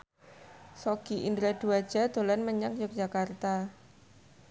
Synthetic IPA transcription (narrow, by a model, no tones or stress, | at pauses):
soɡ̥iʔind̪ɾad̪̥uad̥ʒ̥a̤d̪̥o̤lanməɲak̚jɔk̚d̥d͡ʒ̥akart̪a